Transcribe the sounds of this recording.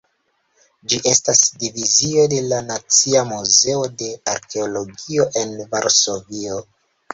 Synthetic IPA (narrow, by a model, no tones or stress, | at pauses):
d͡ʒiʔe̞stasdivizio̞de̞lanat͡siamuze̞o̞de̞aɾke̞olo̞ɡio̞ʔe̞nvaɾso̞vio